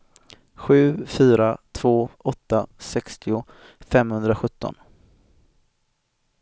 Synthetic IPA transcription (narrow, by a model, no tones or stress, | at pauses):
ɧʉ̟ːfyːɾat̪ʰv̥oːɔt̪ːasɛkst̪ʰɪʊ | fɛmhɵnd̪ɾaɧɵt̪ːɔ̰n